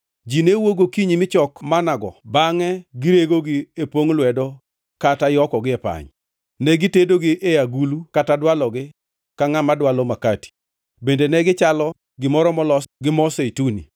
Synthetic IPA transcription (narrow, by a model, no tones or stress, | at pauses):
d͡ʒinewoɡokiɲimɪt͡ʃɔkmanaɡɔ̰baŋɛɡɪɾeɡoɡɪepwoŋlwɛdɔ | katajɔkɔɡɪɛpa̰ɲ | nɛɡitedoɡɪʔejaɡulukatadwalɔɡɪ | kaŋamadwalɔmakati̥ | bendenɛɡɪt͡ʃalɔ | ɡɪmɔɾɔmɔlɔɡɪmɔseitunḭ